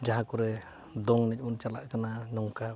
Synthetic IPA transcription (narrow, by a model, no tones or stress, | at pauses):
d͡ʒaɦãkɔɾɛ | d̪ɔŋnɛc̚ˀunt͡ʃalaʔkananɔŋka